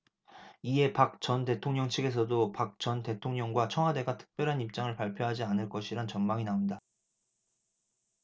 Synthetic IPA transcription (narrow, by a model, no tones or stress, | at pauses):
ie̞pak̚t͡ɕʌnte̞tʰoŋɲʌŋt͡ɕʰiɡe̞s̬ʰʌdopak̚t͡ɕ͈ʌnte̞tʰoŋɲʌŋɡwat͡ɕʰʌŋɦade̞ɡatʰɯ̥k̚p͈jʌɾɦanip̚t͡ɕ͈aŋɯɭpaɭpʰjoɦad͡ʑianɯɭk͈ʌɕʰiɾant͡ɕʌnmaŋinaunda